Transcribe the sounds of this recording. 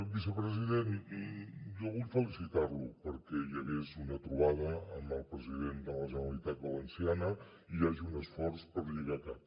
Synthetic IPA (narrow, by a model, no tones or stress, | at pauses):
bisəpɾəziðen | jɔβuʎfəlisit̪arlupəɾkɛjəɣezunət̪ɾuβaðəəmbəlˠpɾəziðend̪ələʒənəlit̪at̪̚bələnsianə | iaʒiunəsfɔrspəɾʎiɣakap